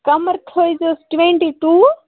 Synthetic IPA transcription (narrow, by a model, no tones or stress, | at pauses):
kɐməɾt̪ʰoːjd͡ʒosʈʋẽɳʈiʈuː